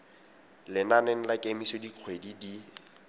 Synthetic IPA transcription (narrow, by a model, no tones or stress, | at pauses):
lɪnaneŋ̩lakʼemisediq͡χʰwedidi